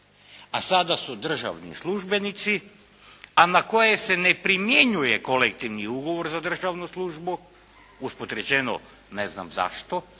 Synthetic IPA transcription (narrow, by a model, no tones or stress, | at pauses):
asad̪asud̪r̩ʒa̰ʋnḭslˠuʒbe̞nit̪si | anako̞jese̞ne̞pɾimjeɲuje̞ko̞lekt̪iʋniuɡo̞ʋo̞ɾzad̪r̩ʒaʋnuslˠuʒbu | uspot̪ɾet͡ɕeno̰ | nezna̰mza̰ʃt̪o̞